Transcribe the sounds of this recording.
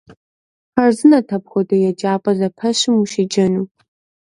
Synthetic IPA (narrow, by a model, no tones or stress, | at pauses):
χɐrzɨnɐtʰɐpxʷɔdɐjɛd͡ʒaːpʼɐzɐpʰɐɕɪmuʃɪd͡ʒɐnuː